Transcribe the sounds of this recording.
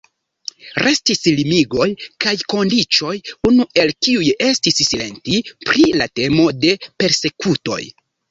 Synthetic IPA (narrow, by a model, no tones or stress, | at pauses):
ɾʔe̞stislimiɡo̞jkajko̞ndit͡ʃo̞junuʔe̞lkiuje̞stissile̞̰ntipɾilate̞mo̞de̞pe̞ɾse̞kuto̞̰j